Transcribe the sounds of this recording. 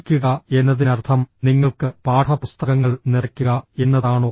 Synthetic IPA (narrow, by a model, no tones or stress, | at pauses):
kʲːuɣɐe̞nːɐðinɐrt̪ʰɐmniŋːɐɭkɨpaːʈʰɐpust̪ɐɣɐŋːɐɭnirɐkʲːuɣɐe̞nːɐðaːɳo̞ː